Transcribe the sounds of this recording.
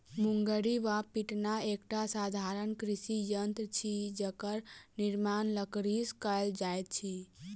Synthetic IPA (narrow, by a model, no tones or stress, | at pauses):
muŋɡəɾiʋapiʈnaekʈasad̪ʱaɾənkɾisijənt̪t͡ʃʰid͡ʒəkəɾniɾmanləkɾiskəld͡ʒajt̪̚t͡ʃʰi